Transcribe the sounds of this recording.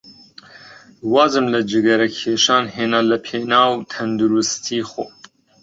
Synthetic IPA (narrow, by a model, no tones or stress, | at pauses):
wɑːzɨmlɐd͡ʒɪɡɐɾɐkʰeːʃɑːnɦeːnalɐpʰeːnaːwt̪ʰɐnd̪uɾust̪ʰiːxoː